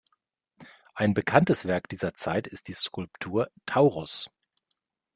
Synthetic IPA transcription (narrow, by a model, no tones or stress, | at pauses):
ʔaɪnbəkʰantəsv̥ɛɐk̚d̥iːzɐt͡saɪtɪst̚d̥iːskʰʊlptʰuːɐtʰaʊʁʊs